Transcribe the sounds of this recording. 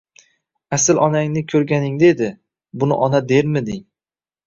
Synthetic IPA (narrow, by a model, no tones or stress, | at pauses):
asɪlʔɒnaŋnɪkʲʰɵɾɡʲanɪŋd̪ed̪ɪ | bʊnɪʔɒnad̪e̞ɾmɪd̪ɪŋ